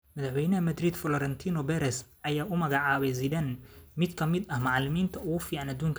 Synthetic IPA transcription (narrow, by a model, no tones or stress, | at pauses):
mɐðɐħwɛjnɐɦɐmɐd̪riːd̪fɔlɔɾɛnt̪ʰiːnɔbɛɾɛs | ɐjaːʊmɐɣɑʕɑːβɛjzidɐnmɪd̪kʰɐmɪd̪ɐhmɑʕlɪmiːnt̪ʰɐʊɣʊfiːʕɑnɐd̪uːŋkʰ